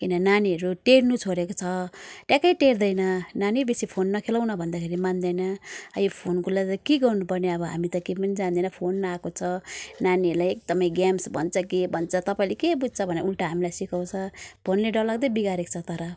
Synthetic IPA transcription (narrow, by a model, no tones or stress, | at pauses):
kinʌnaniɦʌɾuʈeɽnut͡sʰoɾekot͡sʰʌʈjakʌjʈeɾd̪ʌjnʌnanibesipʰonːʌkʰelaw̃nʌbʱʌnd̪akʰeɾimand̪ʌjnʌa̰jopʰonkulat̪kiɡʌrnupʌrneʌbʌɦa̰mit̪ʌkepʌnid͡zand̪ʌjnʌpʰonːʌakot͡sʰʌnaniɦʌɾlajek̚d̪ʌmʌjɡamsbʱʌnt͡sʰʌkebʱʌnt͡sʰʌt̪ʌpaĩlekebud̪̚t͡sʰʌbʱʌneulʈaɦamilajsikaw̃t͡sʰʌpʰonleɖʌllaɡd̪ʌbiɡaɾekt͡sʰʌt̪ʌɾʌ